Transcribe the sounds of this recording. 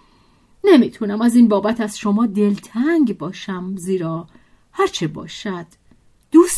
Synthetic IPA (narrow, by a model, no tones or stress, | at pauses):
nemit̪ʰunæmæziːnbɒːbæt̪ʰæz̥ʃomɒːd̪elt̪ʰæŋɡbɒːʃæmziːɾɒː | hæɾt͡ʃʰebɒ̰ːʃæd̪̥ː | uːs